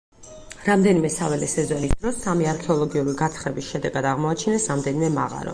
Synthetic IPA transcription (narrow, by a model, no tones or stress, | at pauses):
ɾamd̪ɛnimɛsavɛlɛsɛzɔnisd̪ɾɔsːamiaɾkʰɛɔlˠɔɡiuɾiɡat̪ʰχɾɛbisʃɛd̪ɛɡad̪aʁmɔat͡ʃʰɛnɛsɾamd̪ɛnimɛmaʁa̰ɾɔ̰